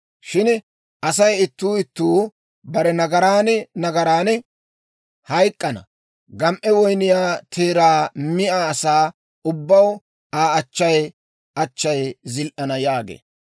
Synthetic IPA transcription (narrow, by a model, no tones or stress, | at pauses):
ʃɪn | ʔɐsɐjɪt̪ːuːɪt̪ːuː | bɐɾɛnɐɡɐɾaːnnɐɡɐɾaːn | hɐjkʼːɐnɐ̰ | ɡɐmʔɛwɔjnɪjaːt̪ʰeːɾaːmɪʔaːsaː | ʊbːɐw | aːɐt͡ʃːɐj | ʔɐt͡ʃːɐjzɪlʔɐnɐjaːɡḛː